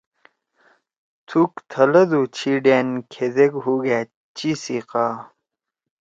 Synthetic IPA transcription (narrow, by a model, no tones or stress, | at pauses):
t̪ʰukt̪ʰɐlɐd̪ut͡ɕʰiɖeːnkʰed̪eɡɦuɡaː | t͡ɕisiqaː